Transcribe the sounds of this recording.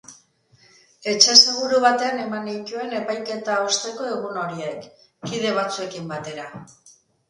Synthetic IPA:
e̞t͡ʃe̞se̞ɣuɾuβat̪e̞ane̞manit̪ue̞ne̞pajke̞t̪aost̪e̞ko̞e̞ɣ̞uno̞ɾie̞kː | iðe̞β̞at͡sue̞kimbat̪e̞ɾa

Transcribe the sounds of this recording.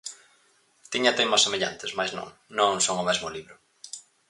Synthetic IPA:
t̪iɲat̪emasemeʎa̰nt̪ɪsmajznõ̰ŋnõŋsoŋʊmɛzmʊliβɾʊ

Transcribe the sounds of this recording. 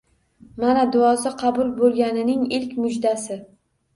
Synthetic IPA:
manad̪ʊɒsɪqʰɑbʊlˠbolˠɡʲanɪnɪŋɪlkʲmʊd͡ʒd̪asɪ

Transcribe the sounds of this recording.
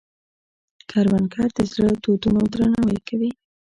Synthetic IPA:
kʰaɾwankɑɾd̪əzɽət̪od̪unod̪ɾanawajkʰawi

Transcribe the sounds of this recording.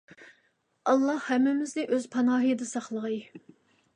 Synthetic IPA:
ɑlˠːɑhhɛmːɪmɪznɪʔøz̥pʰɑnɑːɦəjd̪ɨsɑχlˠəʁɑj

